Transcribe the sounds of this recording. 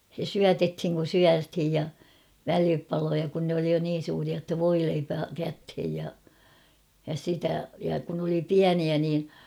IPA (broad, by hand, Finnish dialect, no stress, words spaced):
se syætethiŋ kun̞ syæthij jɑ ʋælipɑlojɑ kun ne oli jo niːn̞ suːriɑ tːɑ ʋoileipæ kæthej jɑ jɑ sitæ jɑ kun oli piæniæ niː